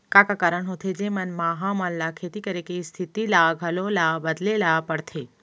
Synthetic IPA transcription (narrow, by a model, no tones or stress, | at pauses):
kakakaɾəɳɦot̪ʰed͡ʒemɐnmaːɦamallakʰet̪ikəɾekest̪ʰit̪ilaːɡʱəlolaːbəd̪lelapəɽt̪ʰe